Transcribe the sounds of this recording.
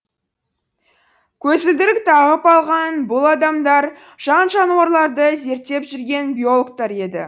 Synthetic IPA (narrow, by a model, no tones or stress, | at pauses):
kʲʰɵzɪld̪ɪɾɪk̚t̪ʰɑʁəpɑlˠʁɑnbʊlˠɑd̪ɑmd̪ɑɾ | ʒ̥ɑnʒɑnuwɑɾlˠɑɾd̪əze̞ɾt̪ːe̞pʒʏɾɡʲe̞nbʲijo̞lˠokt̪ɑɾe̞d̪ɪ̰